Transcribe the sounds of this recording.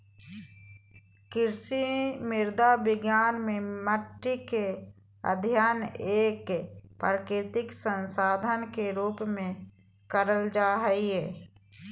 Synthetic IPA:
kɪɾsimɪɾd̪abɪɡjaːnmẽməʈːike | ə̰d̪ʱjaːneːkpkɾɪt̪ɪksə̃nsaːd̪ʱənkeɾuːpmẽ | kəɾəld͡ʒaːɦəiɛː

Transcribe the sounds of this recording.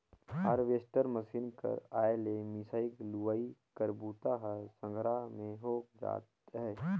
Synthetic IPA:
ɦəɾʋeːsʈəɾməsiːnkə̰ɾaːelemisaːikluʋaːikəɾbuːt̪aɦəsə̃ŋɡʱɾamẽɦoːkd͡ʒa̰ːt̪ɦɛː

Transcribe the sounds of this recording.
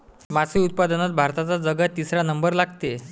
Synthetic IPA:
masʰiut̪̚pad̪ənat̪̚bʱaɾt̪at͡sad͡zəɡat̪ːisɾanəmbəɾlaɡt̪e

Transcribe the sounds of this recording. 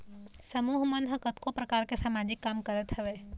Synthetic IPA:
səmuːɦmənɦəkət̪kopɾɐkaːɾkesaːmaːd͡ʒɪkːaːmkəɾət̪ɦəʋeː

